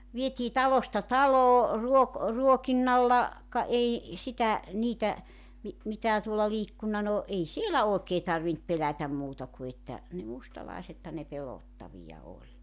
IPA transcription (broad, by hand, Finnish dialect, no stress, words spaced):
ʋietʲiː tɑlostɑ tɑloː ruok ruokinːɑlːɑ kɑ ei sitæ niːtæ mi mitæː tuolːɑ liːkːunːɑ no ei sielæ oˑekeː tɑrʋint pelætæm muːtɑ ku etːæ ne mustɑlɑˑisethɑn ne peloˑtːɑʋijɑ olʲ